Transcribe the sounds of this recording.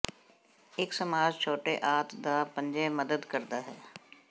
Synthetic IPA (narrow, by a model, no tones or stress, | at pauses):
ɪksəmaːd͡ʒt͡ʃʰoːʈeʔaːt̪d̪aːpə̃ɲd͡ʒeməd̪əd̪kəɾd̪aːɦɛː